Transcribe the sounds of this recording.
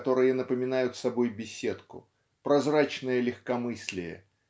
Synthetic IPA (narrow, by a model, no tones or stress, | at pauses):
t̪o̞ɾɨjənəpəmʲɪnajʊt̪sɐbo̞jbʲɪsʲe̞t̪kʊ̰ | pɾɐzrat͡ɕnəjəlʲɪxkɐmɨsʲlʲɪjə̰